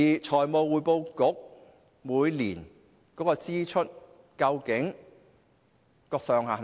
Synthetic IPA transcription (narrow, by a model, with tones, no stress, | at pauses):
iː˨t͡ʃʰɔː˨˩jmo˨˧wwuː˨˧jpo˧wkʊ˨˥k̚ | muː˨˧jliː˨˩n | kɔː˨˥kɔː˧t͡siː˥t͡ʃʰɵ˥t̚ | kɐ˧wkɪ˨˥ŋ | kɔː˧k̚sœː˨˧ŋɦaː˨